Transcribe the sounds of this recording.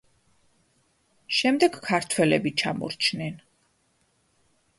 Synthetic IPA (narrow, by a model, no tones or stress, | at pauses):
ʃɛmd̪ɛɡkʰaɾt̪ʰwɛlɛbit͡ʃʰa̰mɔ̰ɾt͡ʃʰnɛn